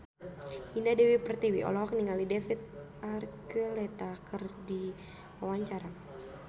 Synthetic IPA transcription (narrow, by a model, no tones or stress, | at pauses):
indadɛwipərt̪iwiʔɔ̰lɔɦɔkniŋalidɛfit̪̚ | arkəlɛt̪akʰɨrdi | wawaɲt͡ʃaɾa